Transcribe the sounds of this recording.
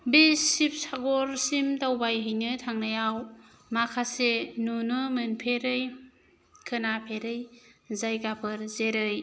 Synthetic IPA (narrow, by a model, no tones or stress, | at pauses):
bisip̚saɡɔɾsimtawbajɦɯjnɯtʰaŋnajaw | makʰasenunɯmɯnpʰeɾɯj | kʰɯnapʰeɾɯjzajɡapʰɯɾzeɾɯj